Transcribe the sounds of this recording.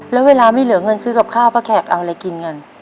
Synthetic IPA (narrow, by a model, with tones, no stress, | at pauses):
lɛː˦˥weː˧laː˧maː˥˩jlɯ˩˦ɐŋɤ˧nsɯː˦˥ka˨˩p̚kʰaː˥˩wpʰaː˦˥˩kʰɛː˨˩p̚ʔa̰˧wʔa˧ɾa˧jki˧nŋɤ˧n